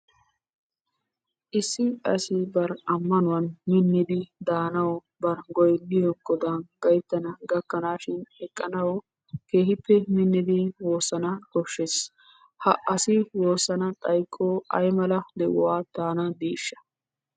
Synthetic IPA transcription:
ʔɪsːɪɐsɪbɐɾɐmːɐnʊwɐnmɪnːɪd̪ɪd̪aːnɐwɔ | bɐɾɡɔjnːɪjɔɡɔd̪anɡɐjt̪ːɐnɐɡɐkːɐnaːʃɪnɛkʼːɐnɐwɔ | ke̞ːhɪpːɛmɪnːɪd̪ɪwo̞ːsːɐnɐkɔʃːes | hɐʔɐsɪwo̞ːsːɐnɐt̪ʼɐjkʼːoːʔɐ̰jmɐlɐd̪ɛʔʊ̰waːt̪aːnɐd̪iːʃːɐ̥

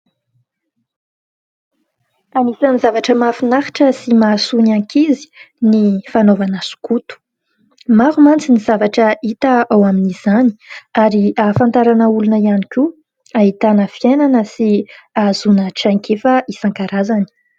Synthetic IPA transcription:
amisanizavaʈ͡ʂəmafinaχi̥ʈ͡ʂəsimasunaŋkizi̥ | nifanovanəsu̥kut̪u̥ | maɾumant͡sinizavaʈ͡ʂəit̪aawaminiz̥ani̥aɾiafãnt̪aɾanəulunəianikʲu | aɦit̪anəfienanəsiazunəʈ͡ʂaŋkʰefəʔisaŋkaɾazani̥

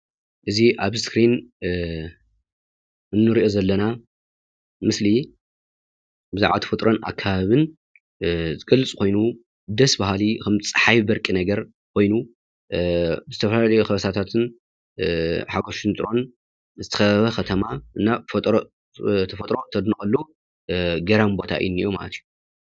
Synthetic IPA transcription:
ʔɨziʔaβskɾin | ɨnːɨɾiʔo̞zɐlːɐna | mɨsli | bɨzaʕβat̪ʰɐfɐt̪ʼɾʔo̞na̰kʰːaβaβɨn | zɨɡ̥ɐlːɨt͡sʼkʰo̞jnu | d̪ɐsbahalikʰɐmt͡sʼɨ̥ħajβbɐɾkʼinɐɡɐɾ | kʰo̞jnu | zɨt̪ʰɐfɐlalɐjoxɐβɐsʰat̪ʰat̪ʰɨn | ħaɡoʃɪnt̪ʼɾo̞n | zɨt̪ʰɐ̥xɐβɐxʰɐt̪ʰɐmaʔɨnːaɐt̪ʼɾ | t̪ʰɐfɐt̪ʼɾo̞t̪ʰɐd̪nɨkʼɐlːu | ɡɐɾambo̞t̪ʰa̰ʔɨ̰jɪnɨjoma̰lɐ̰t̪ʰiju

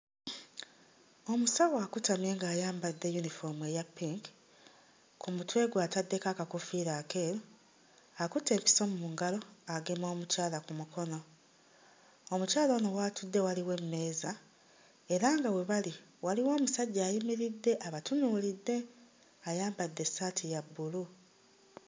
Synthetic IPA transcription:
o̞musawaːkutamje̞ːŋɡaːjaːmbadːe̞junifo̞mue̞japiŋk | kʰumutwe̞ːɡwaːtadːe̞kakakufiːɾaːke̞ːɾo | akute̞ːmpi̥soːmumuŋɡalo̞aɡe̞mo̞ːmucaːlakumukʰo̞no̞ | omucaːloːnowaːtudːe̞waliwe̞mːe̞ːza | e̞ɾaːŋɡawe̞βaliwaliwoːmusaɟːaːjimiɾidːe̞ʔaβatunuːlidːe̞ | ajaːmbadːe̞saːtʰijabːulu

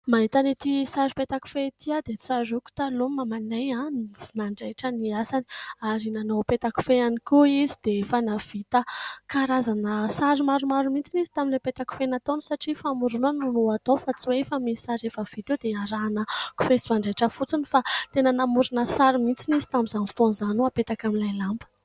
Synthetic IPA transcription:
maɦit̪anet̪isaɾipet̪aku̥fet̪iad̪et͡siazuku̥t̪alumamaneannaɳɖ͡ʐajʈ͡ʂəniasani̥aɾinanowpet̪aku̥feanikuizid̪̥efanav̥it̪əkaɾazanəsaɾimaɾumaɾumint͡sinizi̥t̪aminlepet̪aku̥fenat̪onisaʈ͡ʂifamuɾunanunuat̪ofat͡siwefamisaɾefəv̥it̪ewd̪eaɾaːnəku̥fesivaɳɖ͡ʐajʈ͡ʂəfut͡sinifat̪enənamuɾunəsaɾimint͡sinizi̥t̪amizanfi̥t̪onzanuapet̪akamilajlambə̥

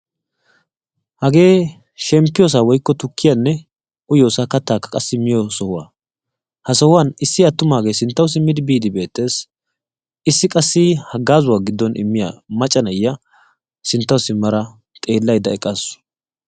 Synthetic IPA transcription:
hɐɡe̞ː | ʃɛmpːɪjɔs̬aːwɔjkːɔt̪ʊkːɪjɐnːɛ | ʊjo̞ːsakɐt̪ːaːkːɐ̥kʼɐsːɪmɪjɔsɔhʊwa̰ː | hɐsɔhʊwɐnɪsːɪɐt̪ːʊmaːɡe̞ːsɪnt̪ːɐwʊs̬ɪmːɪd̪ɪbiːd̪ɪbe̞ːt̪ːe̞ːs | ɪsːɪkʼɐsːɪhɐɡːaːzʊwaːɡɪd̪ːɔnʔɪ̰mːɪja̰mɐt͡ʃʼːɐnɐjːɐ | sɪnt̪ːɐwʊsɪmːɐɾɐ | t̪ʼe̞ːlːɐjd̪ɐɛkʼːɐsʊ̥

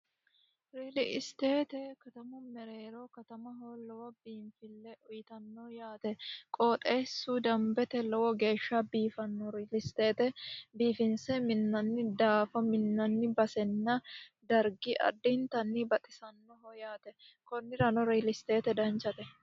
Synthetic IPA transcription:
ɾiːlɪʔɪst̪e̞ːt̪ɛkɐt̪ɐmɔmɛɾeːɾɔkɐt̪ɐmɐɦolɔwɔbiːmfɪlːɛʔɔjɪt̪ɐnːɔjaːt̪ɛkʼoːt̪ʼeːsːud̪ɐmbɛt̪ɛlɔwɔɡe̞ːʃːɐbiːfɐnːɔɾiːlɪst̪e̞ːt̪ɛbiːfɪnsɛmɪnːɐnːɪd̪aːfɐmɪnːɐnːɪbɐsɛnːɐd̪ɐɾɡɪʔɐ̰d̪ːɪnt̪ɐnːɪbɐt̪ʼɪsɐnːɔɦɔjaːt̪ɛ | kɔnːɪɾɐnɔɾiːlɪst̪e̞ːt̪ɛd̪ɐnt͡ʃːɐt̪ɛ

